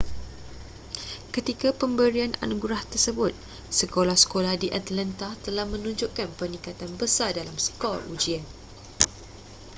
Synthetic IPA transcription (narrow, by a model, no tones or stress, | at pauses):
kət̪ikapəmbəɾianʔa̰nuɡɾaht̪ərsəbʊt̪̚ | səkolahsə̥kolahdiʔat̪lant̪at̪əlahmə̃nũɲd͡ʒʊʔkanpərnĩkat̪anbəsardalamsə̥kɔ̰lṵd͡ʒian